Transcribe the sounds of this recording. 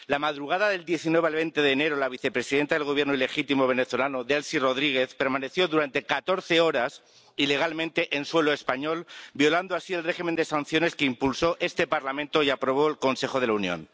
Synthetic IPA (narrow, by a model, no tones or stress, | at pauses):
lamaðɾuɣ̞aðaðe̞ld̪je̞θinweβ̞alβent̪e̞ðeːne̞ɾo̞laβ̞iθe̞pɾe̞siðent̪aðelɣo̞β̞je̞ɾnoile̞xit̪imo̞β̞e̞ne̞θo̞lanoðelsiro̞ð̞ɾiɣ̞e̞θpeɾmane̞θjo̞ðuɾant̪e̞kat̪o̞ɾθe̞o̞ɾas | ile̞ɣ̞almẽnt̪e̞ʔenswe̞loe̞spaɲo̞lbjo̞land̪oasie̞lre̞ximẽnd̪e̞san̟θjo̞ne̞skeimpulso̞ʔe̞st̪e̞paɾlamẽnt̪o̞iapɾo̞β̞o̞elko̞nse̞xo̞ð̞e̞launjõ̰n